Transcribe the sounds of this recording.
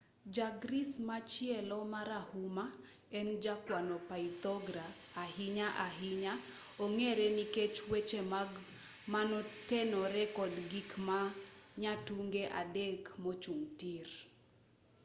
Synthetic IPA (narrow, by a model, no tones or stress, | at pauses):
d͡ʒaɡɾismat͡ʃjɛlɔmaɾahuma | ɛnd͡ʒakwanɔpait̪ɔɡɾaː | hiɲaʔaɦiɲa | oŋeɾeniket͡ʃwet͡ʃe | manɔtɛnɔɾɛkɔdɡikmaɲatuŋɡeʔadekmot͡ʃuŋtir